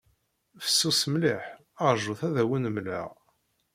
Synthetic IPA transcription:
fə̥sːusmliħ | ɑɾˤʒʊθæðæwənəmlə̰ʁ

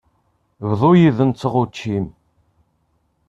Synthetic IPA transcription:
vðˤojiðənt͡sːəʁut͡ʃːim

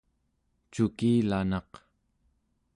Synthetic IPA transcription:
t͡ʃukiːlanɑq

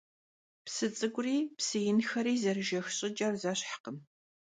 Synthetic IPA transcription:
psɨt͡sʼɨɡʷʼʊriːpsɨjɪnxɐɾiːzɐrɨʒɐxɕʼɪd͡ʒʼɐrzaːɕħqəm

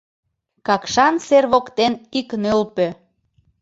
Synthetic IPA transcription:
kɑkʃɑnserβokt̪eniknølpø

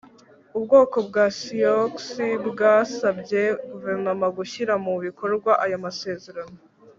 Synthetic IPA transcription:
ubɡo̞ːko̞bɡaːsioksibɡaːsabɟe̞ɡuve̞ɾnomaɡuçiɾamuβikʰo̞ɾɡwaʔajamase̞ːze̞ɾano

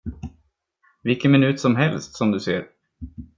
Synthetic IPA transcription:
vɪlkːənmɪnʉ̟ːt̪sɔmɦɛlst̪sɔmd̪ɵseːɾ

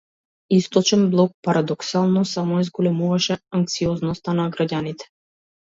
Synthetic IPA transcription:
ist̪ɔt͡ʃɛnblˠɔk̚paɾad̪ɔksalˠnɔsamɔɛzɡɔlɛmuvaʃɛaŋk̚t̪siɔznɔst̪anaɡɾaɟanit̪ɛ̥

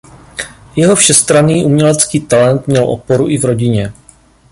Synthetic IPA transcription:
jɛɦo̞fʃɛst̪ɾaniːʔumɲɛlɛt͡skiːt̪alɛnt̪mɲɛlʔo̰po̞ɾuʔɪvɾo̞ɟɪɲɛ

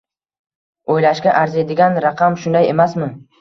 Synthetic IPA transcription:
ojlaʃɡʲaʔaɾze̞d̪ɪɡʲanɾɑqʰɑmʃʊnd̪aje̞masmɪ

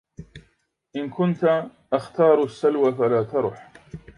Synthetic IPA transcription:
ʔɪnkʰʊnt̪aʔaxt̪ɑːɾˤasːalwafalaːt̪ɑɾˤʊħ

